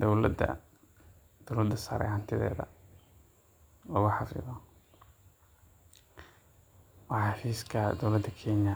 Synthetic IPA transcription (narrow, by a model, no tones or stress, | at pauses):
d̪ɔwlɐd̪ɐ̰ | d̪̥ɔwlɐd̪ːɐsa̰ːɾɛ̰hɐnt̪ʰɪðɛ̰ːðɐ̰ | lɔːɣʊħɑfɪ̰ðɔ | wɑɑfiːskʰɐd̪ɔwlɐd̪ːɐkʰɛːnjɐ